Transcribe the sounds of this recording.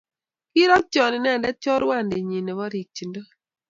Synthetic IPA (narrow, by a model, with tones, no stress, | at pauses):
ki˦ɾɔ˦t͡ʃɔ˨nɪ˨n˦a˨nda˦t͡ʃɔ˦ɾwa˦˨nde˨ɲi˨nɛ˨βɔ˦ɾi˨k̚t͡ʃi˨ndo˦